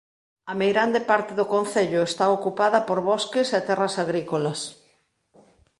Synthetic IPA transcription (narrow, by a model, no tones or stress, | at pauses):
ɐmejɾand̪epaɾt̪eðʊkõn̟θeʎʊest̪aokupaðɐpoɾβɔskeset̪ɛrɐsaɣɾikolɐs